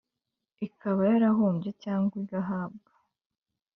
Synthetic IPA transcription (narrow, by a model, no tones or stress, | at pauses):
ikʰaβajaɾaɦuːmbɟecaːŋɡiɡaɦaːb̚ɡa